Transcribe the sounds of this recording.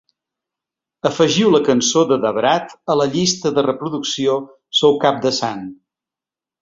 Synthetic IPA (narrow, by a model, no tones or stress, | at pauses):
əfəʒiwləkənsoðəðəβɾat̪ələʎist̪əðərəpɾuðuksio | sɔwkap̚d̪əsan